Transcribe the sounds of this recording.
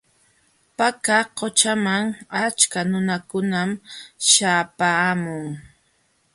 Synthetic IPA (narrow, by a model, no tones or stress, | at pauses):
pakaqot͡ʃamaŋat͡ʃkanʊnakʊnamʃaːpaːmʊŋ